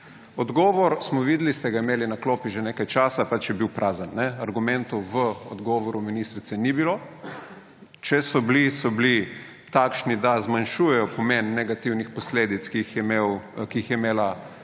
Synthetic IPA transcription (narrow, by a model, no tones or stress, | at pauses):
ɔd̪ɡɔːʋɔɾsmɔʋiːd̪list̪ɛɡaimeːlinakloːpiʒeneːkajt͡ʃaːsapat͡ʃjɛbiwpɾʔaːzənːɛaɾɡumɛ̃nt̪uʋəɔd̪ɡɔʋɔɾuminist̪ɾit̪sɛnibilo | t͡ʃɛsɔblisɔbli | t̪akʃnid̪azmanʃuːjɛjɔpɔmenːɛɡat̪iwnixpɔsleːd̪it̪skixjɛmewkiixjɛmeːla